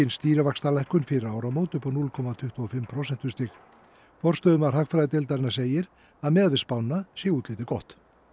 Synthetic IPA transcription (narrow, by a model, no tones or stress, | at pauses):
ɪnst̪iːɾavakst̪alɛjhkʏnfɪɾɪawɾawmoːwt̪ʏhpanulkʰɔmat̪ʰʏht̪uɔfɪmpʰɾosɛn̥t̪ʏ̥st̪ɪk | fɔr̥st̪œːðʏmaɾ̥ɦakfɾajðɪt̪elt̪aɾɪnːaseːjɪɾ | aðmɛːðvɪspawnːasjɛuːt̪leːjt̪ɪkɔht̪